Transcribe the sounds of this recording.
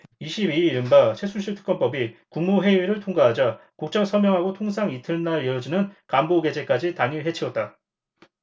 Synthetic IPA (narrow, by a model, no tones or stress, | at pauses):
iɕʰibiɾɯnbat͡ɕʰe̞sʰunɕʰiɭtʰɯ̥k͈ʌnp͈ʌbikuŋmuɦe̞ɥiɾɯɭtʰoŋɡaɦad͡ʑakok̚t͡ɕ͈ʌŋsʰʌmjʌŋɦaɡotʰoŋs̬ʰaŋitʰɯɭnaɭiʌd͡ʑinɯnkamboɡe̞d͡ʑe̞k͈ad͡ʑitaŋiɭɦe̞t͡ɕʰiʌt̚t͈a